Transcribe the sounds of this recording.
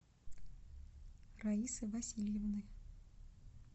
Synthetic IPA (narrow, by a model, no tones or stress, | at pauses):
raisɨvɐsʲilʲjevnɨ